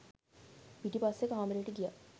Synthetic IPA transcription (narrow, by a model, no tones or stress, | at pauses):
piʈipasːekaːməɾeːʈiɡija̰